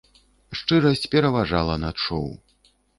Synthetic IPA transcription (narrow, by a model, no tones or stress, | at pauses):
ʂt͡ʂɨɾɐsʲt͡sʲpʲɛɾɐvaʐalˠɐnat͡ʂɔ̰w